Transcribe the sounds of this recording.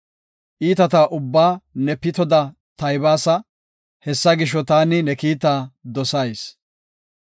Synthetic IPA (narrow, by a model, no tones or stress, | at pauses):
ʔiːt̪ɐt̪aːʔʊbːaːnɛpːɪt̪ɔd̪ɐ | t̪ɐjbaːsɐ | hɛsːɐɡɪʃ̬ːɔt̪aːnɪnɛkiːt̪aːd̪ɔsɐjs